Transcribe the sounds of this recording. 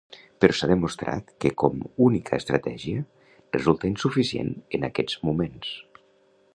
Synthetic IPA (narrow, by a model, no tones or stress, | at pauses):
pəɾʔɔsaðəmust̪ɾʔa̰t̪kəkɔmunikʰəːst̪ɾət̪ɛʒiə | rəzulˠt̪əinsufisiḛnənakɛd͡zmumens